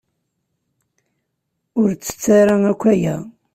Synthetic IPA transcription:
ʊɾt͡sːə̥t͡sːaɾaŋækʷːæjæ̰

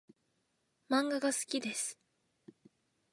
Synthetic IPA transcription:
mãŋɡaɡasɨ̥kʲid̪e̞sɨ̥

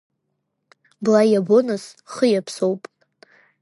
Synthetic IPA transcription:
blajabonɨsχəjapʰsowpʼ

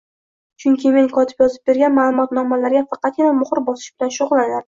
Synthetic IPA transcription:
t͡ʃʰʊŋkʲɪme̞ŋkʰɒt̪ʰɪ̥pjɒzɪp̚be̞ɾɡʲanmaːlˠʊmɒt̪nɒmalaɾɡʲafɑqɑt̪̚ɡʲɪnamʊχɨɾbɒsɪ̥ʃb̥ɪlanʃʊʁʊlˠːanaɾɪ

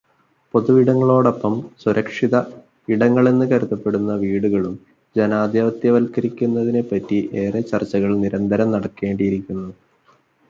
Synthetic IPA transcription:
po̞ðuʋiɽɐŋːɐɭo̞ːɽo̞pːɐmsuɾʔɐkʂiðɐ | iɽɐŋːɐɭenːɨkɐɾut̪ːɐpːe̞ɽunːɐʋiːɽuɣɐɭum | d͡ʑenaːd̪jɐʋɐt̪jɐʋɐlkɐɾikʲːunːɐðine̞pːɐtːiʔe̞ːret͡ɕɐrt͡ɕːɐɣɐɭniɾɐnd̪ʱɐɾɐmnɐɽɐkːe̞ːɳɖijiɾikʲːunːɐðɨ

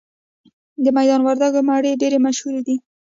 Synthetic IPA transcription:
d̪əmajd̪ɑnwaɾd̪aɡomaɽeɖeɾemaʃhuɾed̪i

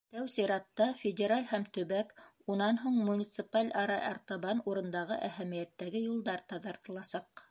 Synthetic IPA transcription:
t̪æwsiɾɑt̪ːɑfʲedʲeɾalʲhæmt̪ɵ̆βæk | unɑnɦuɴmunʲit̪sɨpalʲɑɾɑʔɑ̰ɾt̪ɑβɑnuɾɤ̆nd̪ɑʁɤ̰ʔæhæmijæt̪ːæɡɘjulˠd̪ɑɾt̪ɑðɑɾt̪ɤ̆lˠɑsɑq

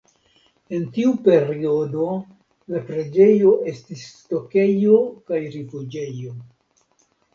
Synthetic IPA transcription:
e̞ntiupe̞ɾio̞do̞ | lapɾe̞d͡ʒe̞jo̞ʔe̞stisto̞ke̞jo̞kajɾifud͡ʒe̞jo̞

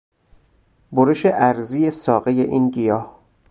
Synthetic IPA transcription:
boɾeʃeʔæɾzijesɒːɣejeʔiːnɡijɒːh

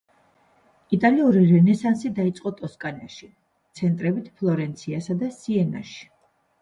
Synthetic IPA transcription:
it̪ʼaliuɾiɾɛnɛsansid̪ait̪sʼqʼɔt̪ʼɔskʼanaʃi | t̪sʰɛnt̪ʼɾɛbit̪ʰpʰlˠɔɾɛnt̪sʰiasad̪asiɛna̰ʃi̥

